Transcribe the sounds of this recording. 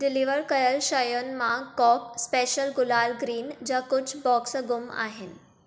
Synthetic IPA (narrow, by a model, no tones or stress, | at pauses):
d̪iliʋəɾkəjəlɕajənmakɔkspeɕəlɡulalɡɾiːnd͡ʑakut͡ɕʰbɔksɡuma̰ɦen